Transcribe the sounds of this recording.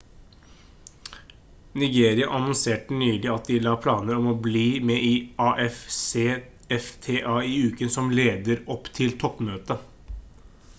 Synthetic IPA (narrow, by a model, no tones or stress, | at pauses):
nɪɡeːɾɪɑʔɑnɔnseːʈənyːlɪɑt̪̚d̪ɪlɑːpʰlɑːnəɾɔmɔːbliːmɛːʔiːɑːʔɛfseː | ɛft̪ʰeːʔɑːiːʉːkənsɔmleːd̪əɾɔpːt̪ʰɪlt̪ʰɔpmøːt̪ə